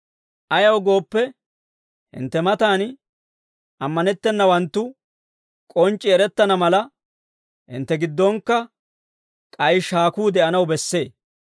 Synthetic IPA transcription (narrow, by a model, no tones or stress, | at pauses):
ʔɐjɐwɡo̞ːpːɛ | hɪ̰nt̪ːɛmɐt̪aːn | ɐmːɐnɛt̪ːɛnːɐwɐnt̪ːʊ | kʼɔnt͡ʃʼːɪɛɾɛt̪ːɐnɐmɐlɐ | hɪ̰nt̪ːɛɡɪd̪ːɔŋkːɐ | kʼɐjʃaːkuːd̪ɛʔɐnɐwbɛsːe̞ː